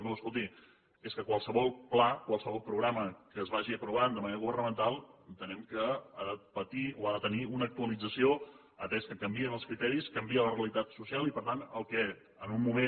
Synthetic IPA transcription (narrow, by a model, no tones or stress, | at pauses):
uəskolˠt̪i | eskəkwalˠsəβɔlˠplakwalˠsəβɔlˠpɾuɣɾaməkəːzβaʒiəpɾuβand̪əməneɾəɣuβərnəmənt̪alˠənt̪ənɛmkəaðəpət̪ioaðət̪əniunəːk̚t̪uəlid͡zəsio | ət̪ɛskəkəmbiənəlˠskɾit̪ɛɾiskəmbiələreəlit̪at̪susialˠipəɾt̪anəlˠkɛ | ənunmume